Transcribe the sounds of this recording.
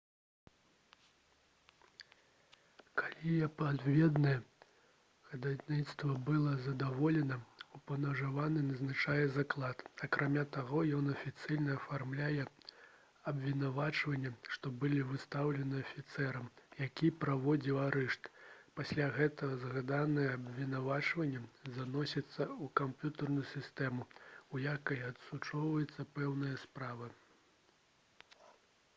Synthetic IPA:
kalʲijɛpad̪vʲɛd̪nɐjɛ | ɣɐd̪ad̪ʲnʲit̪st̪vɐbɨlˠɐzɐd̪avɔlʲɛnɐupɐnɐʐavanɨnɐznat͡ʂajɛzaklˠat̪ɐkɾamʲat̪aɣɔjɔnɐfʲit̪sɨjnɐːfarmlʲajɛ | ɐbʲvʲinavat͡ʂvɐnʲːɛʂt̪ɔbɨlʲivɨst̪awlʲɛnɨɐfʲit̪sɛɾɐmjakʲipɾavɔd͡zʲiwaɾɛʂt̪pasʲlʲaɣɛt̪ɐɣɐzɣad̪anɨjɐːbvʲinavat͡ʂvɐnʲːɛzanɔsʲɐt̪sːɐukampʲjut̪ɐrnujusʲist̪ɛmuujakɐjɐt̪sut͡ʂɔwvɐjɛt̪sːɐpɛwnɨjɐspɾavɨ

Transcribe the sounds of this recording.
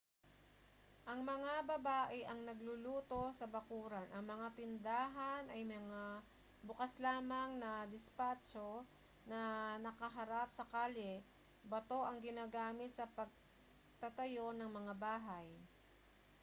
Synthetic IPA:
ʔɐŋmɐŋabɐbaːʔɛʔɐŋnɐɡlʊluːt̪o̞sɐbɐkuːɾanʔɐŋmɐŋat̪ɪnd̪aːɦɐnʔɐjmɐŋa | bʊkaslaːmɐŋnɐd̪ɪspaːt͡ʃo̞ | nɐnɐkɐɦɐɾap̚sɐkaːlɛ | bɐt̪o̞ʔɐŋɡɪnaːɡaːmɪt̪̚sɐpɐɡ̚ | t̪ɐt̪ɐjo̞nɐŋmɐŋabaːɦaj

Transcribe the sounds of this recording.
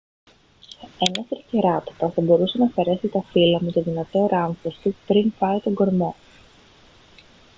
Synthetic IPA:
enɐst̪ɾiceɾɐt̪o̥pɐθɐbo̞ɾuse̞nɐfe̞ɾe̞sit̪ɐfilɐmut̪eðinɐt̪o̞ɾɐɱfost̪upɾinfɐit̪o̞ŋɡo̞ɾmo̞

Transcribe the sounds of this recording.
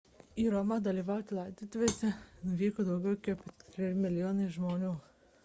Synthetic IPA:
iːɾomɑd̪ɐlʲiːʋɑʊt̪ʲɪlˠɑɪd̪ʲiːt̪ʊʋʲeːsʲɛnʊʋʲiːkod̪ɐʊɡʲɛʊkʲɛpʲt̪ʲɾʲɪɾʲɪmʲɪlʲɪjoːnɐʒmoːnʲuː

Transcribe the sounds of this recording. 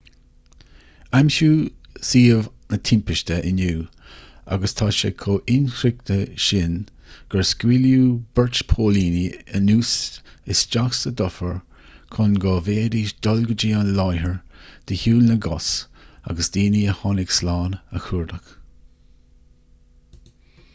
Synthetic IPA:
amʃuː | siːəv | nət̪ʰɪmpəʃtəʔɪnjuː | a̰ɡəst̪ʰaːʃə̰kʰoːʔɪnxɾɪk̚t̪əʃɪn | ɡ̥əɹskwiljuːb̥ɛɹt͡ʃpʰoːliːniənuːsɪsd͡ʒaxsəd̪ɔfəɹ | kʰɔnɡɔːveːɾid̪̥ɔlɡəd͡ʒiːanlajɦəɹd̪̥əhuːlnəɡɔsa̰ɡəsd̪iːniəhɑnɪɡslaːnə̰xuːɹd̪əx

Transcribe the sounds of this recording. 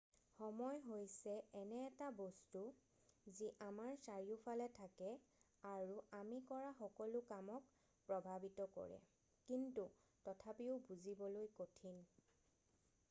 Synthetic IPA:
xɔmɔjɦojsɛɛnɛːtabɔstu | ziʔamaɹsaɹiʊpʰalɛtʰakɛ | aɹuamikɔɹaxɔkɔlʊkamɔk | pɹɔbʱabitɔkɔ̰ɹɛ̰ | kintu | tɔtʰapiʊbuzibɔlojkotʰin

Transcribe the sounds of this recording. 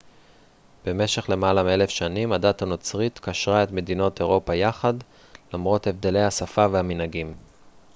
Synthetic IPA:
b̥e̞me̞ʃe̞χle̞malamielefʃanimadatano̞t͡sʁit̪kaʃʁae̞tme̞dino̞te̞ʁo̞pajaχad | lamʁo̞the̞vd̪e̞le̞jhasafavehaminhaɡim

